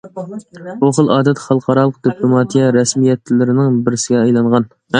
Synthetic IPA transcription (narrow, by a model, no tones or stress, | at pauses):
oχəlˠɑːd̪ɛt̪χɑlˠqʰɑɾɑːlˠəq̚d̪iplˠomɑt̪ʰijɛɾɛsmijɛt̪ːlɪɾɪnɪŋbɪɾɪsɪɡʲɛɑjlˠɑɴʁɑn